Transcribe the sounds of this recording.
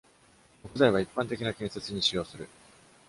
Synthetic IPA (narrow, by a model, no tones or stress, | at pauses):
kokɯ̟zaiβ̞aipːãnt̪e̞kʲinakẽ̞ɰ̃se̞t͡sɨɲ̟iɕijo̞ːsɨɾɯ̟